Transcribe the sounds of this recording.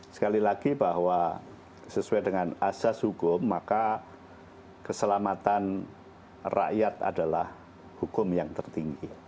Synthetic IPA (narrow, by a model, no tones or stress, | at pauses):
sə̥kalilaɡibaɦwa | səsuajdəŋanasashukʊmːaka | kəsəlamat̪an | ra̰ʔjat̪a̰dalah | hukʊmjaŋt̪ərt̪iŋɡi